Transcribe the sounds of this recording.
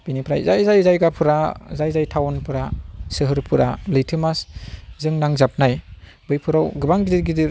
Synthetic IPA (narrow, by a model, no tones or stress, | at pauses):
b̥inipʰɾajzajzajzajɡapʰɯɾazajzajtʰawɔnpʰɯɾasɯɦɯɾpʰɯɾa̰lɯjtʰɯmaszɯŋnaŋzap̚naj | bɯjpʰɯɾawɡɯbaŋɡidiɾɡidiɾ